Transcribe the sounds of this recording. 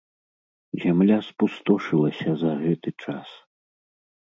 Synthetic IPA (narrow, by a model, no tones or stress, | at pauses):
zʲamlʲaspust̪ɔʂɨlˠɐsʲɐzɐɣɛt̪ɨt͡ʂa̰s